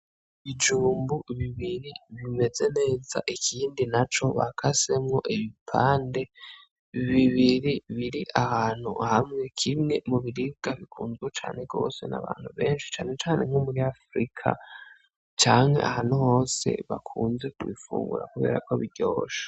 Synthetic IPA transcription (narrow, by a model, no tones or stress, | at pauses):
βid͡ʒuːmbuβiβiɾiβime̞ze̞ne̞ːza̰ʔikʰiːndinat͡ʃo̞βa̰kʰase̞mŋo̞̰ʔiβipʰaːnde̞ | βiβiɾiβiɾiʔahaːn̥hṵhamŋe̞kʰimŋe̞muβiɾib̚ɡ̥aβikʰuːnzet͡ʃa̰ːne̞ɡo̞̰ːse̞na̰βaːn̥huβe̞ːnʃi̥t͡ʃaːne̞t͡ʃaːne̞m̥homuɾiafɾikʰa̰ | t͡ʃaːŋ̥he̞̰ʔa̰haːn̥huho̞ːse̞̰βakʰuːnze̞kuβḭfṵːŋɡṵɾa̰kuβe̞̰ːɾa̰ko̞βiɾɟoːʃḁ